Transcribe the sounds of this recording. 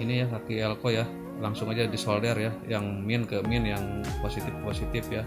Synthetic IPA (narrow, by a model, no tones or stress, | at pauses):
inijakak̪iɛlkoja | laŋsʊŋad͡ʒadisoldɛrjajaŋmiɪnkəminjaŋposit̪ɪfposit̪ɪfja